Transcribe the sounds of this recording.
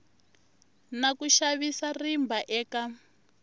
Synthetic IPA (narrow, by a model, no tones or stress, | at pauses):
nakuʃaβisarimbʱaʔɛːka